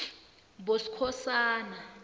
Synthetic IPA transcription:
bosi̥kʰɔsaːna

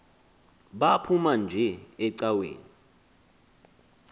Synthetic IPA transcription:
ɓapʰumand͡ʒʱɛɛǀawḛːni

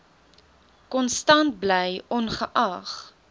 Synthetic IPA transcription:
kɔnstɐnt̚blɛjɔnχəʔɐχ

